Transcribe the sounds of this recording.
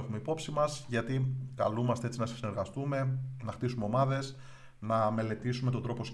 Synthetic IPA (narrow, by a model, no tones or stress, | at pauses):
exume̞ipo̞psimɐzʝɐt̪ikɐlumɐst̪e̞e̞t͡sinɐse̥sine̞ɾɣɐst̪ume̞nɐxt̪isume̞o̞mɐðe̞s | nɐme̞le̞t̪isumeo̞d̪ɾo̞po̞s